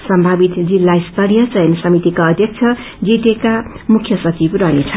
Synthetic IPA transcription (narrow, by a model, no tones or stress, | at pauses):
sʌmbʱabit̪d͡zilːajst̪ʌɾjʌt͡sʌjnsʌmit̪ikaʌd̪ʱjʌk̚t͡sʰʌ | d͡zit̪ekamukʰjʌsʌt͡sibɾʌnit͡sʰ